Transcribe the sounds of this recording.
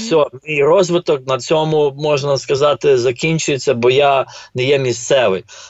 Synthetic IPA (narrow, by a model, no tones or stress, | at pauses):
sʲɔmʲijrɔzʋɪt̪ɔk̚nɐt͡sʲɔmʊmɔʒnɐskɐzɑt̪ɪzɐkʲinʲt͡ʃʊjet͡sʲːɐbɔjanɛjɛmʲist̪sɛʋɪj